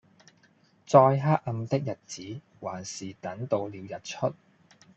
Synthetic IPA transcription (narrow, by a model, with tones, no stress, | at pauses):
t͡sɔː˧jɦaː˥k̚ɐ˧mt̪ɪ˥k̚jɐ˨t̚t͡siː˨˥ | waː˨˩nsiː˨˩t̪ɐ˨˥ŋt̪o˧wliː˨˧wjɐ˨t̚t͡ʃʰɵ˥t̚